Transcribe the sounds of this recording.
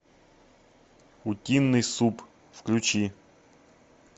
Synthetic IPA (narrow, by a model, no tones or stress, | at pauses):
ʊtʲinːɨjsup | fklʲʉt͡ɕi